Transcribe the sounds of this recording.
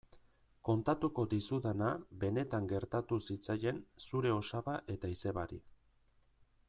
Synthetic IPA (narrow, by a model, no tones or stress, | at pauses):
ko̞nt̪at̪uko̞d̪isuðanabe̞ne̞t̪aŋɡe̞ɾt̪at̪usit͡saje̞nsuɾe̞o̞saβaʔe̞t̪aise̞βaɾḭ